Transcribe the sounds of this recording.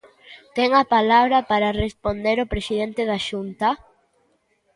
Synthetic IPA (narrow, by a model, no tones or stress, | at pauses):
t̪ɛŋɐpalaβɾɐpaɾarespond̪eɾopɾesiðent̪eð̞aʃunt̪ɐ